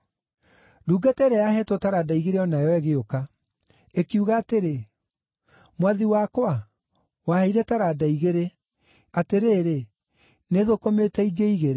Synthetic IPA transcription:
duːɡatɛɾɛjaɦɛtotaɾadaiɣeɾeɔnajɔwɛɣeoka | ekiuɣaːteɾe | mwaðiwakwa | waheiɾɛtaɾadaiɣeɾe | ateɾeːɾe | neðokometɛiɡeiɣeɾe

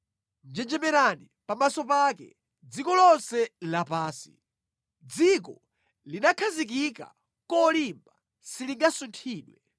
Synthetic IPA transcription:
nd͡ʒɛd͡ʒɛmɛɾani | pamasɔpakɛ̰ | d͡zikɔlɔnsɛlapaːsi̥̰ | d͡zik̬ɔ | linakʰazik̬ika̰ | kɔlimba | siliŋɡasuntʰiːɗwɛ

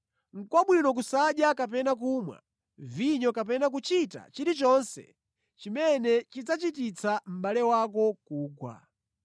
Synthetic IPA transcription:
ŋ̩kwaɓwinɔk̬usaɗjakap̬ɛnakumwa̰ | viɲɔkap̬ɛnak̬ut͡ʃita̰t͡ʃiɾit͡ʃɔnsɛ̰ | t͡ʃimɛnɛt͡ʃid͡zat͡ʃit̬it͡sʰam̩ɓalɛwak̬ɔkuːɡwa̰

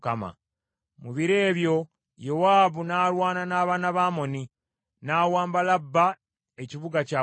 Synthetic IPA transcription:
kama̰ | muβiɾe̞ːβjo̞ | jowaːβunaːɾwaːnanaːβaːnaβaːmo̞ni | naːwaːmbalabːa | e̞ciβuɡacaː

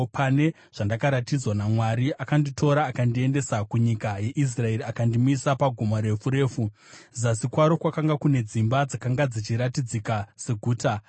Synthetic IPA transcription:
pʰane̞ | ʐ̥andakaɾatid͡zwanamwaɾiʔakanditʰo̞ɾaːkandie̞nde̞sakuɲikaje̞ʔis̬rae̞ɾiakandimisapaɡʱomoɾe̞fuɾe̞ːfu | zasikwaɾo̞kwakaŋɡakune̞d͡zimbad͡zakaŋɡad͡zit͡ʃiɾatid͡zikase̞ɡʱuːta

